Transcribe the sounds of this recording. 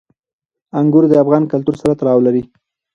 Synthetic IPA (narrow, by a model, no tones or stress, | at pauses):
aŋɡʊɾd̪əafɣɑnkalt̪uɾsaɾat̪aɾɑwlaɾi